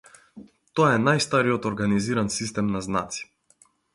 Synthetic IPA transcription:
t̪ɔɛnajst̪aɾiɔt̪ɔɾɡaniziɾansist̪ɛmnazna̰t̪si̥

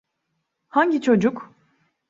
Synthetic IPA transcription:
haɲɟit͡ʃʰo̞d͡ʒuk

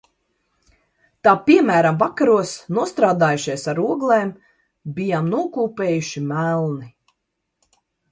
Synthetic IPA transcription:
t̪aːpiɛmæːɾamvakaɾuɔsnuɔst̪ɾaːd̪aːjuʃiɛsaɾuɔɡlˠeːm | bijaːmnuɔkuːpeːjuʃimælˠni

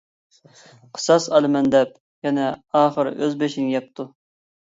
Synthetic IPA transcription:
qʰə̥sɑsɑlˠɨmɛnd̪ɛp̚ | jɛnɛɑːχəɾøzbeʃinɪjɛp̚t̪ʰu

